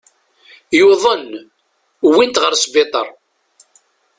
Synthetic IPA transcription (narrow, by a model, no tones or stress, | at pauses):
juðˤən | wint̪ʁəɾsbɪt̪ˤə̰ɾˤ